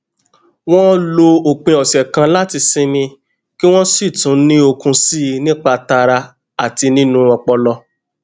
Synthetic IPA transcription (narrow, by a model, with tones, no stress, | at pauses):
w̃ɔ̃˦lo˧o˨k͡pẽ˧ɔ˨ʃɛ˨kã˧la˦ti˧sĩ˧nĩ˧ | ki˦w̃ɔ̃˦si˦˨tũ˨˦nĩ˦o˧kũ˧si˦˧nĩ˦k͡pa˧ta˧ɾa˧ | a˨ti˧nĩ˦nũ˦ɔ˧k͡pɔ˧lɔ˧